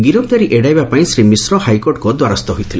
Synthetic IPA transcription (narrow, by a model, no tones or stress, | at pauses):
ɡiɾɔbt̪aɾiʔeɖajbapaĩsɾimisɾɔhajkoɾʈkɔd̪waɾɔst̪ɔɦojt̪ʰile